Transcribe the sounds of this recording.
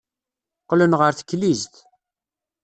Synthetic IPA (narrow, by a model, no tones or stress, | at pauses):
qːlənʁəɾθə̥kːlizt̪